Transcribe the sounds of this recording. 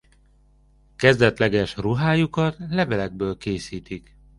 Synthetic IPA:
kɛzd̪ɛt̪lɛɡɛʃruɦaːjukɒt̪lɛbɛlɛɡ̚bøːlkeːsiːt̪ik

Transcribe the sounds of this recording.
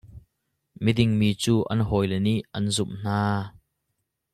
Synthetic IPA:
midɪŋmiːt͡suːʔɐnɦɔːjlɛniʔɐnzʊmn̥aː

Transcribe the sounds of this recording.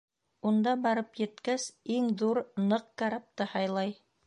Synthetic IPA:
und̪ɑbɑɾɤpjɘ̆t̪kæsiŋðuɾnɤq̚kaɾap̚t̪ɤhɑjlˠɑj

